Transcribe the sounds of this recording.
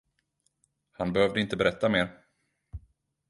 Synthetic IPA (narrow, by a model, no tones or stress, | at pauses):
hanbɛhœːvd̪əɪnt̪əbɛɾɛt̪ːameːɾ